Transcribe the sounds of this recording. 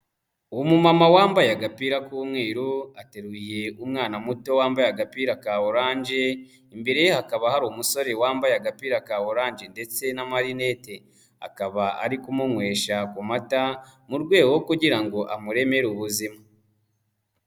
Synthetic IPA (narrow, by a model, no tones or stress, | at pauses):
uwomumamawaːmbajaɡapiːɾakuːmŋe̞ːɾuate̞ɾwije̞umŋaːnamuto̞waːmbajaɡapiːɾakaːβoɾaːnd͡ʒe̞ | imbe̞ɾejehakaβahaɾumuso̞ɾe̞waːmbajaɡapiːɾakaːwoɾaːnd͡ʒe̞nde̞t͡se̞namaɾine̞te̞ | a̰kaβaa̰ɾikumuŋwe̞ːʃakumatamuɾɡwe̞ːɡookuɟiɾaŋɡo̞ʔamuɾe̞me̞ɾuβuzima